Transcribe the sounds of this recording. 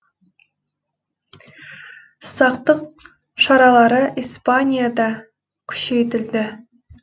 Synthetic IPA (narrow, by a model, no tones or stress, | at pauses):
sɑqt̪əq̚ | ʃɑɾɑlˠɑɾəʔijspanʲijad̪ɑ | kʲʰʏ̥ʃe̞jt̪̬ɪld̪ɪ